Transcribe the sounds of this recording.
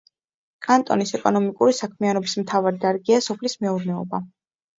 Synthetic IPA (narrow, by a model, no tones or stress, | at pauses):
kʼant̪ʼɔ̰nisɛkʼɔnɔmikʼuɾisakʰmianɔbismt̪ʰavaɾid̪aɾɡiasɔpʰlismɛuɾnɛɔ̰ba